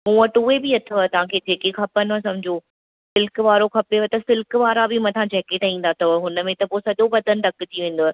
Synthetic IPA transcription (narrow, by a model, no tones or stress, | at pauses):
mũːɐʈuebɪɐt̪ʰoat̪ɐʋ̤ãkʰeːd͡ʑʱeːkekʰɐpənɦasɐmʊd͡ʑoː | sɪlkʋaːɾokʰɐpeʋot̪ɐsɪlkʋaːɾabɪmɐ̃t̪ʰãd͡ʑɛːkeːʈaĩːn̆d̪at̪ɐɦʊnə̆mẽt̪ɐpoːsɐʄobɐd̪ʱənɪ̆d̪ɐkɪt͡ɕiʋẽːn̆d̪oːa